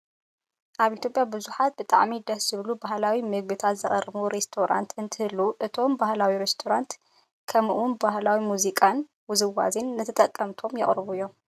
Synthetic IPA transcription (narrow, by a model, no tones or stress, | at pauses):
ʔaβit̪ʰʲjopʼjabɨzuħat̪̚bɨt̪ʼa̰ʕmid̪ɐsz̥ɨβlubahlawimɨɡ̚bɨt̪ʰat̪zɨχʼɐɾmuɾest̪ʰoɾa̰nt̪ɨnt̪ʰɨhɨlːuʔɨt̪ʰo̞mbahlawiɾest̪ʰoɾant̪ | kʰɐmʔunbahlawimuzikʼan | wʊzɨwa̰zinːɨt̪ʰɐt̪ʼɐkʼːɐmt̪ʰo̞mjɐχʼɾβuɨjːo̞m